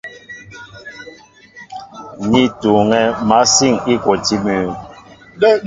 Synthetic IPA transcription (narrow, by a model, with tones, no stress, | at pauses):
ni˦tu˨ŋɛ˨ma˨˦si˦˨ŋi˦kwɔ˨ti˦mʉ˨